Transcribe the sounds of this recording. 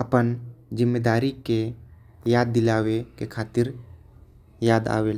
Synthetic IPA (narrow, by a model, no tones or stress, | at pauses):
əpənd͡ʒɪmːed̪aːɾike | jaːd̪̚ːɪlaːwekekʰaːt̪ɪɾ | jaːd̪a̰ːʋeːl